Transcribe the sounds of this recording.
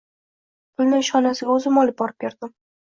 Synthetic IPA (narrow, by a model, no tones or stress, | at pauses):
pʰʊlˠnɪŋɪʃχɒnasɪɡʲaɵzɪmɒlˠɪp̚bɒɾɪp̚kʲeɾd̪̥ɪm